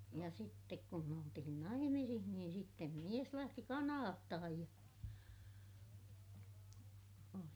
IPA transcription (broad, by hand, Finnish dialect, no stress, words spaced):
jɑ sitːek kum me oltihin nɑimisih niːn sitːem mies læhti kɑnɑːtːɑhɑj jɑ oli